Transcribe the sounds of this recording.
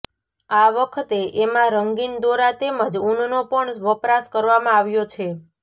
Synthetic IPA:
aʋəkʰət̪eʔemãɾəŋɡind̪oɾat̪emãd͡ʒunnopəɳʋəpɾaskəɾʋamãaʋjot͡ʃʰe

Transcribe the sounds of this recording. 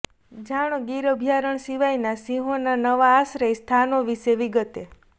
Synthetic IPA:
d͡ʒaɽ̃oɡiɾəbʱjaɾəɳsiʋajnasiɦonanəʋaːsɾəjst̪ʰanoʋiʃeʋiɡət̪e

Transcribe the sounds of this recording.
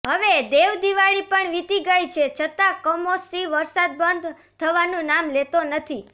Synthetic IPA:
ɦəʋed̪eʋd̪iʋaɭipəɳʋit̪iɡəjt͡ʃʰet͡ʃʰət̪ãkəmosiʋəɾsad̪̚bənd̪ | t̪ʰəʋanũnamlet̪onət̪ʰi

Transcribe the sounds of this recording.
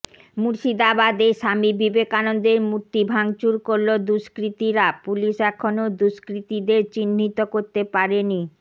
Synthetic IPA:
muɾʃid̪abad̪eʃamibibekanond̪eɾmuɾt̪ibʱaŋt͡ɕuɾkoɾlod̪uʃkɾit̪iɾapuliʃɛkʰonod̪uʃkɾit̪id̪eɾt͡ɕinːit̪okoɾt̪epaɾeni

